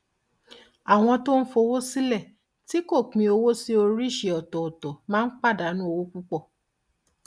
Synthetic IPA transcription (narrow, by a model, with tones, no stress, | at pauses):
a˨w̃ɔ̃˧to˦n̩˦fo˧˦wo˦si˦lɛ˦˨ | ti˨˦ko˦˨k͡pĩ˧o˧wo˦si˦o˧ɾi˦˨ʃe˨ɔ˨tɔ˨ɔ˨tɔ˨mãː˦k͡pa˦˨da˨˦nũ˦o˧wo˦k͡pu˦k͡pɔ˦˨